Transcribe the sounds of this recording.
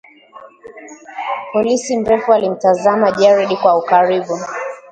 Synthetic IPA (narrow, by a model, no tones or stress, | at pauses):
pɔlisim̩ɾɛfualim̩tazamaʄɛɹɛɗikwaukaɾiɓu